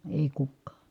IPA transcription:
eˑi̯ kukːɑː

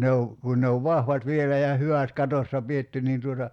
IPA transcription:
ne o kun ne oʋ ʋɑhʋɑt ʋielæ jɑ hyʋæˑt kɑtosːɑ pietːy niːn tuotɑ

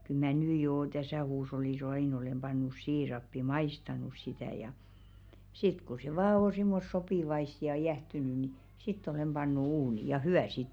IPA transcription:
kyl mæˑ nyː joː tæsæˑ huːsh̞olːis ɑiˑn olem b̥ɑnːus siːrɑpːi mɑistɑnus sitæˑ jɑ sit ku se ʋɑː on̞ simːos sopiˑʋɑist jɑ jæhtyny ni sitː ol̞em b̥ɑnːu uːni jɑ hyæˑ siːt

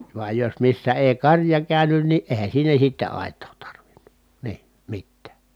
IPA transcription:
ʋuɑj jos misːæ eˑi kɑrjɑ kæˑynyn ni eˑi̯hæn̞ siːnæ sitːe ɑˑetˑoː tɑrʋinn̥u̥ niː mitːæː

